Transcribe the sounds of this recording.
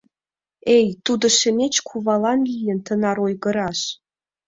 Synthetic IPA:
ejt̪ud̪ə̆ʃĕmʲet͡ɕkʰuβɑlɑnlʲijə̆nt̪ənɑɾojɣə̆ɾɑʃ

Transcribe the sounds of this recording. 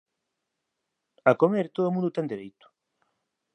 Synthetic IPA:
akomeɾt̪oðomũnd̪ʊt̪ɛŋd̪eɾejt̪ʊ̥

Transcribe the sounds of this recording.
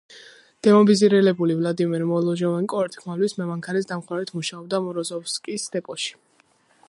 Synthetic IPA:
d̪̥ɛmɔbiziɾɛlɛbulivlad̪imɛɾmɔlˠɔʒɔvankʼɔɛɾt̪ʰʼχʰmalwismɛmaŋkʰaɾɛsd̪amχwaɾɛt̪ʰmuʃaɔb̚d̪amɔɾɔzɔfskʼisd̪ɛpʼɔʃi̥

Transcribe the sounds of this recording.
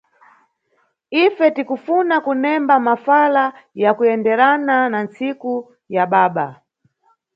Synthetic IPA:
ifɛtikufunakunɛmbamafalajakujɛndɛɾananant͡siku | jaɓaːɓa

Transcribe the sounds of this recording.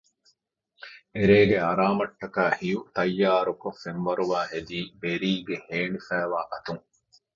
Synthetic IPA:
eɾeːɡeɐɾaːmɐʈːɐkaːhijut̪ɐjːaːɾukofːenʋɐɾuʋaːhed̪iːbeɾiːɡeheːnifæːʋaːʔɐt̪uŋ

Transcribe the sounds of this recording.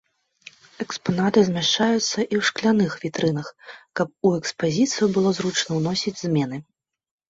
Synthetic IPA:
ɛkspanat̪ɨzʲmʲaʂt͡ʂajut̪sːɐʔiwʂklʲanɨxvʲit̪ɾɨnɐxkɐp̚uɛkspazʲit̪sɨjubɨlˠɔzɾut͡ʂɐnɐwnɔsʲid͡zʲzʲmʲɛnɨ

